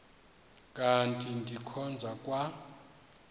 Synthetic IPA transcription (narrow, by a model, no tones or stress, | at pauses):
kʼantʰʼindʱikʰɔnd͡zʱakʼwa